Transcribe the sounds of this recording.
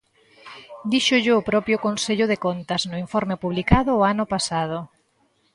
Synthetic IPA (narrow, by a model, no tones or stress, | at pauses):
d̪iʃʊʎɪʊpɾɔpjʊkõnseʎʊðekont̪ɐznʊiɱfɔɾmepuβlikaðʊːanʊpasað̞ʊ